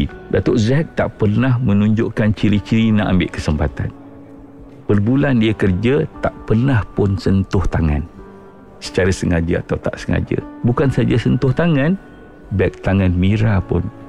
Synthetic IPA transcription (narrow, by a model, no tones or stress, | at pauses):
dat̪oʔzɛk̚t̪aʔpərnahmənũɲd͡ʒʊʔkant͡ʃiɾit͡ʃiɾinaʔambeʔkəsəmpat̪a̰n | pərbulandiəkərd͡ʒat̪aʔpərnahpʊnsənt̪ʊht̪aŋa̰n | sə̥t͡ʃaɾasəŋad͡ʒəa̰t̪awt̪a̰ʔsəŋa̰d͡ʒə̰bukansad͡ʒasənt̪ʊht̪aŋãn | bɛk̚t̪aŋanmiɾapʊ̰n